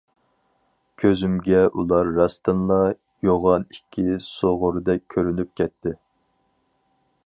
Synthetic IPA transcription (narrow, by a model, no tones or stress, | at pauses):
kʲʰøzymɡʲɛʔulˠɑɾːɑst̪ɨnlˠɑ | joʁɑnikʲʰːisoʁʊɾd̪ɛk̚ʲʰːøɾynyp̚kʲʰɛt̪ʰːɪ